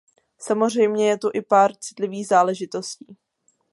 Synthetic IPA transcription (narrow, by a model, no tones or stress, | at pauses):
samor̝ɛjmɲɛjɛt̪uʔɪpaːɾt͡sɪ̥t̪lɪviːɣzaːlɛʒɪt̪o̞sciː